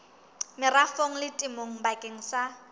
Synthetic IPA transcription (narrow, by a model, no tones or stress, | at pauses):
mɪrafoŋ̩lɪtʼɪmoŋ̩bakʼeŋ̩sa